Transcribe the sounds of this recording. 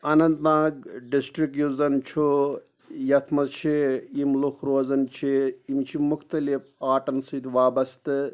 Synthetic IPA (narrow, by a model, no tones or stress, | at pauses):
ɐnɐnt̪nãːɡ̚ɖisʈɾik̚juzɐnt͡ʃʰu | jɐt̪ʰmɐzt͡ʃʰiimlukʰɾoːzɐnt͡ʃʰiimt͡ʃʰimʊkt̪ɐlifaːʈɐnsɨd̪ʋaːbɐst̪ɨ